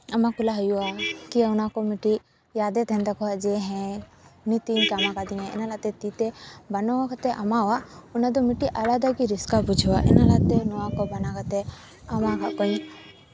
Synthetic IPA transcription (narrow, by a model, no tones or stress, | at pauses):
ɐmakulaɦɔjuakiaunakɔmiʈi | jaːd̪et̪ɛnt̪akɔad͡ʒeɦɛ̃nit̪inkamakad̪inɛ̃ḭnalat̪ɛt̪it̪ebɐnɔwakat̪ɛʔɐmawaunad̪ɔmiʈiʔɐlad̪aɡiɾiskabud͡ʒʱwaʔɛ̰nalat̪enɔwakɔbɐnakat̪e | ɐmakʰakɔĩ